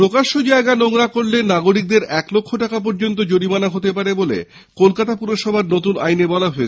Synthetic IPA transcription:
ɾokaʃod͡ʑaeɡanoŋɾakoɾlenaɡoɾik̚d̪eɾɛklokʰːoʈakap̬ɔɾd͡ʑont̪̬od͡ʑoɽimanaɦot̪epaɾebolḛ | kolkat̪apuɾoʃɔbʱaɾnot̪una̰jnebɔlaɦoe

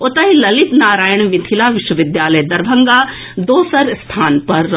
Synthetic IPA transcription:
ot̪ɐɦilɐlɪt̪naːɾaːjəɳ̃ʋɪt̪ʰilaːʋɪʃwɐʋɪd̪jaːlɐjd̪ɐɾbʱɐŋɡaː | d̪oːsɐɾst̪ʰaːnpɐɾː

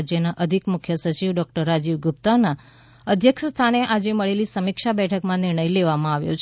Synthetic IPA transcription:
d͡ʒjənaʔəd̪ʱikmʊkʰjəsət͡ʃiʋɖɔk̚ʈəɾːad͡ʒiʋɡʊp̚t̪ana | əd̪ʱjəkʃəst̪ʰaneʔad͡ʒeməɭelisəmikʃabɛʈʰəkmãnɪɾɳəjleʋamãaʋjo̰t͡ʃʰ

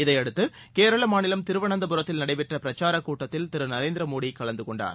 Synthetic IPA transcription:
ɪðɐɪɐɽɯt̪ːɯkeːɾɐɭɐmaːnɪlɐmt̪ɪɾɯʋɐɳɐnd̪ɐpʊɾɐt̪ːɪlnɐɽɐɪpɛʈrɐpɪɾɐt͡ʃːaːɾɐkːuːʈːɐt̪ːɪlt̪ɪɾɯnɐɾeːnd̪ɪɾɐmoːɽikːɐɭɐnd̪ɯkɔɳɖa̰ːɾ

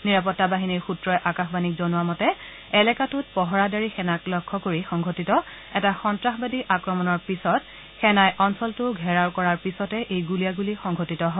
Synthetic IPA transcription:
niɹapɔtːabaɦiniɹxutɹɔjʔakaxbanikzɔnuamɔtɛ | ɛlɛkatʊt̚pɔɦɔɹadaɹixɛnaklɔkʰːɔkoɹixɔŋɡʱotitɔ | ɛtaxɔntɹaxbadiʔakɹɔmɔnɔɹpisɔt | xɛnajʔɔnsɔltʊɡʱɛɹawkɔɹaɹpisɔtɛʔejɡulijaɡulixɔŋɡʱotitɔɦɔ

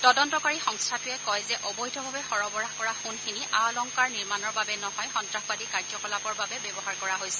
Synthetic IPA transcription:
tɔdɔntɔkaɹixɔŋstʰatʊɛkɔjzɛʔɔbɔjtʰɔbʱabɛxɔɹɔbɔɹaxkɔɹaxunxiniʔalɔŋkaɹniɹmanɔɹbabɛnɔɦɔjxɔntɹaxbadikaɹd͡ʒɔkɔlapɔɹbabɛbɛbɔɦaɹkɔɹaɦojsɛ̥

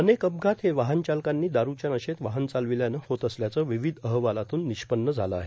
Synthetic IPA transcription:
ənekəb̚ɡʱat̪heʋaɦənt͡ɕalkanːiːd̪aɾut͡ɕjanəɕet̪ʋaɦənt͡salʋiljanəhot̪əsljat͡səʋiʋid̪ʱəɦʋalat̪uːnːiɕpənːəd͡zʱaləa̰ɦe

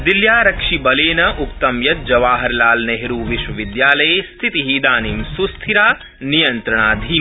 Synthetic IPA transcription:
d̪iljaːɾɐkʂibɐleːnɐʔukt̪ɐmjɐt̪̚d͡ʒɐʋaːɦɐɾlaːlneɦɾuːʋiʃʋɐʋid̪jaːlɐjest̪ʰit̪iɦiːd̪aːniːmsust̪ʰiɾaː | nijɐnt̪ɾɐɳ̃aːd̪ʱiː

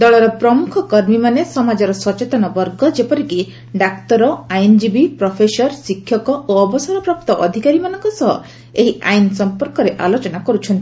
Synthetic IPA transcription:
d̪ɔɭɔɾɔpɾɔmukʰɔkɔɾmimanesɔmad͡ʒɔɾɔsɔt͡ʃet̪ɔnɔbɔɾɡɔd͡ʒepɔɾiki | ɖak̚t̪ɔɾɔajnd͡ʒibipɾɔpʰesɔɾsikʰːjɔkɔʔoɔbɔsɔɾɔpɾɔp̚t̪ɔʔɔd̪ʱikaɾimanɔŋkɔsɔɦɔ | eɦiʔa̰jnsɔmpɔɾkɔɾeʔa̰lot͡ʃɔnakɔɾut͡ʃʰɔnt̪i̥

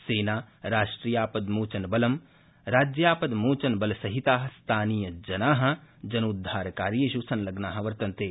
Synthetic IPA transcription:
seːnaːɾaːʃʈɾijaːpɐd̪moːt͡ʃɐnbɐlɐm | ɾaːd͡ʒjaːpɐd̪moːt͡ʃɐnbɐlsɐɦit̪aːɦɐ̆st̪ʰaːnijɐd͡ʒɐnaːɦɐ̆d͡ʒɐnud̪ʱːaːɾkaːɾjeʃusɐnlɐɡnaːɦɐ̆ʋɐɾt̪ɐnt̪eː

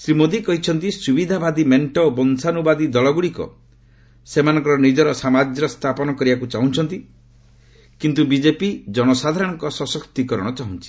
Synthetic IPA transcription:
sɾimod̪ikɔɦit͡ʃʰɔnt̪isubid̪ʱabʱad̪imeɳʈɔbɔnsanubad̪id̪ɔlɔɡuɽikɔ̰ | semanɔŋkɔɾɔnid͡ʒɔɾɔsamad͡ʒjɾɔst̪ʰapɔnɔkɔɾibakut͡ʃaɦũt͡ʃʰɔnt̪i | kint̪ubid͡ʒepid͡ʒɔɽ̃ɔsad̪ʱaɾɔɽ̃ɔ̃ŋkɔsɔsɔkt̪ikɔɾɔɽ̃ɔt͡ʃaɦũnt͡ʃʰi̥

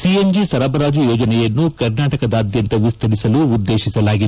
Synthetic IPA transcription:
siend͡ʒisɐɾɐbɐɾaːd͡ʒujɔːd͡ʒɐnɛjɐnːukɐɾnaːʈɐkɐd̪aːd̪jɐnt̪ɐʋist̪ʰɐɾisɐluːd̪ːe̞ːʃisɐlaːɡid̪

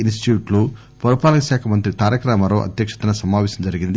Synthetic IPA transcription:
insʈi̥ʈjuːʈlu | pɐɾupaːlɐkɐʃaːkʰɐmɐnt̪ɾit̪aːɾjɐkɾaːmɐɾoːʔɐ̰d̪jɐkʂɐ̥t̪ɐnɐsɐmaːʋɛːsɐmd͡ʒɐɾiɡind̪i

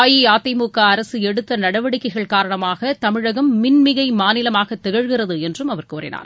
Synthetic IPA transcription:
jiaːt̪ːɐɪmuːkaɐɾɐsɯɛɽɯt̪ːɐnɐɽɐʋɐɽɪkːɐɪɣɐɭkaːɾɐɳɐmaːɣɐt̪ɐmɪɻɐɣɐmːɪnmɪɣɐɪmaːnɪlɐmaːɣɐt̪ːɛɣɐɻɣɪrɐðɯɛndrɯmɐʋɐɾkoːrɪ̰na̰ːɾ

